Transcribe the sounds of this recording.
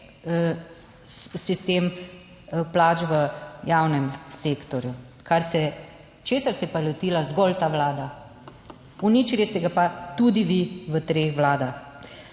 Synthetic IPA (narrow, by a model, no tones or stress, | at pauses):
sist̪em | plaːt͡ʃʋəjawnɛmseːkt̪ɔɾju | kaɾsɛ | t͡ʃeːsaɾsɛpalɔt̪iːlazɡɔlt̪aːʋlaːd̪a | unit͡ʃilist̪ɛɡapat̪ud̪iʋiʋət̪ɾexʋlaːd̪ax